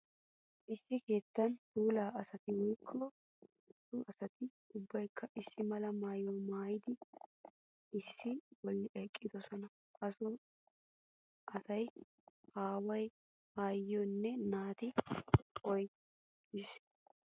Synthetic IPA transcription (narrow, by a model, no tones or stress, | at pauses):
ʔɪsːɪke̞ːt̪ːɐntuːlaːʔɐsɐt̪ɪwɔjkʰːɔ | t̪ːʊɐsɐt̪ɪ | ʊbːɐjkʰːɐʔɪsːɪmɐlɐmaːjoːmaːjɪd̪ɪ | ɪsːɪwɔlːɪʔɛkʼːɪd̪ɔsɔnɐ | ɐsɔ | ɐsɐj | haːwɐj | aːjɔnːɛnaːt̪ɪ | ɔj | ɪs